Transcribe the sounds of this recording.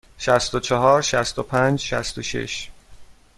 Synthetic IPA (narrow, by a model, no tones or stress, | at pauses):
ʃæst̪ot͡ʃʰɒɦɒːɾʃæst̪opʰænd͡ʒʃæ̰st̪oʃḛʃ